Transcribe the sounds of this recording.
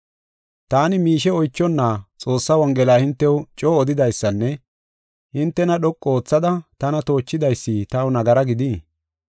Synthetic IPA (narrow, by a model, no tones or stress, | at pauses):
t̪aːnɪmiːʃɛɔjt͡ʃːɔnːaːt͡sʼo̞ːsːɐwɔŋɡɛlaːhɪnt̪ːɛwʊt͡ʃʼoːɔd̪ɪd̪ɐjsːɐnːɛ | hɪnt̪ːɛnɐɗɔkʼːoːt͡sːɐd̪ɐt̪ɐnɐt̪o̞ːt͡ʃːɪd̪ɐjsːit̪ɐʊnɐɡɐɾɐɡɪd̪iː